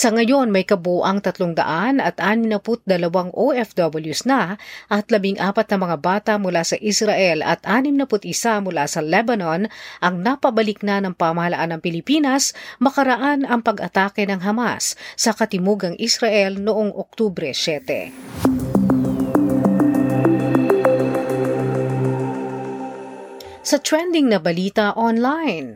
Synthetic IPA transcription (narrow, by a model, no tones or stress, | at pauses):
sɐŋɐjo̞nmɐjkɐbuʔaŋt̪ɐt̪loŋd̪ɐ̰ʔanɐt̪ʔaːnɪmnɐpʊt̪̚d̪ɐlɐwaŋʔoʔɛfd̪obɐljusnɐʔɐt̪lɐbiŋʔaːpɐt̪nɐmɐŋabaːt̪ɐmʊlasɐʔisɾɐʔɛlɐ̰t̪ʔaːnɪmnɐpʊt̪ɪsamʊlasɐlɛbɐnonʔɐŋnɐpɐbɐlɪk̚nɐnɐŋpamɐhɐlɐ̰ʔanɐŋpɪlɪpiːnɐsmɐkɐɾɐʔanɐŋpɐɡɐt̪aːkɛnɐŋɦɐma̰sːɐkɐt̪ɪmuɡɐŋʔisɾɐʔɛlnʊʔoŋʔo̰k̚t̪ubɾɛsɛt̪ɛ̰ | sɐt̪wɛnd̪ɪŋnɐbɐliːt̪ɐʔonlajn